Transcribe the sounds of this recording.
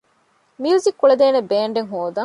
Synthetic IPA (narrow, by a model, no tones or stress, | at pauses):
miuːzikːuɭed̪eːnebeːɳɖeŋɦoːd̪ɐŋ